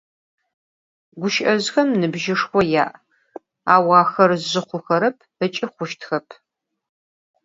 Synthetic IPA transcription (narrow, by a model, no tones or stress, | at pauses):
ɡʷʊʃʔɐzxɐmnɨbʒɪʂxʷɔja̰ːʔ | a̰ːwɑːxɐrzʑɨχʷʊxɐɾɐpʰət͡ʃʼɪχʷʊʃtʰxɐpʰ